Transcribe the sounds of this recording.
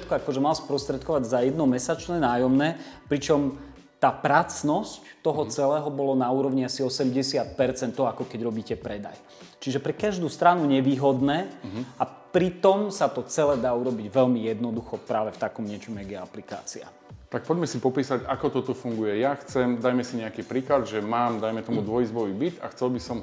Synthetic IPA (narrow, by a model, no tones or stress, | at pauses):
t̪kɔakɔʒɛmalspɾɔst̪ɾɛt̪kɔʋaɟzajɛd̪nɔmɛsat͡ʃnɛnaːjɔmnɛːpɾit͡ʃɔm | t̪aːpɾat͡snɔsct̪ɔɦɔt͡sɛlɛːɦɔbɔlɔnauːɾɔʋɲiasiɔsɛmɟɛsɪat̪̚pɛɾt͡sɛnt̪ːɔakɔkɛɟɾɔbiːcɛpɾɛd̪a̰j | t͡ʃiʒɛpɾɛkaʒd̪uːst̪ɾanuɲɛʋiːɦɔd̪nɛːɦapɾit̪ɔmsat̪ɔt͡sɛlɛːd̪aːuɾɔbiɟʋɛʎmijɛd̪nɔd̪uxɔpɾaːʋɛft̪akɔmɲɪɛt͡ʃɔmɪjaɡjɛaplika̰ːt͡sia̰ | t̪ak̚pɔɟmɛsipɔpiːsaɟakɔt̪ɔt̪ɔfuŋɡujɛjaxt͡sɛmd̪ajmɛsiɲɛakiːpɾiːklad̪ʒɛmaːmd̪ajmɛt̪ɔmud̪ʋɔjizbɔʋiːbit̪axt͡sɛlbisɔm